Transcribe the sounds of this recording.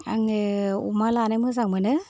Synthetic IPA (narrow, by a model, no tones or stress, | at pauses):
aŋṵmalanajmɯzaŋmɯnɯ